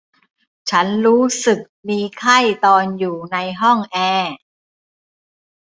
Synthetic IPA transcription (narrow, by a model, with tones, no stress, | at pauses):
t͡ɕʰa˦˥nɾuː˦˥sɯ˨˩k̚miː˧kʰa˥˩jt̪ɔː˧njuː˨˩na˧jɦɔ˥˩ŋʔɛː˧